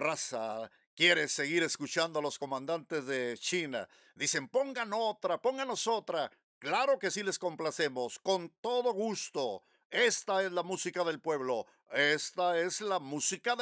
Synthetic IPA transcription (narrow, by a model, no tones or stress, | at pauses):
rasa | kje̞ɾe̞se̞ɣiɾe̞skut͡ʃand̪oalo̞sko̞mãnd̪ant̪e̞zðe̞t͡ʃina̰ | ðise̞mpo̞ŋɡano̞t̪ɾapo̞ŋɡano̞so̞t̪ɾa | klaɾo̞ke̞sile̞sko̞mplase̞mo̞sko̞nt̪o̞ðo̞ɣust̪o̞ | est̪ae̞zlamusikaðe̞lpwe̞βlo̞ | e̞st̪ae̞zlamusika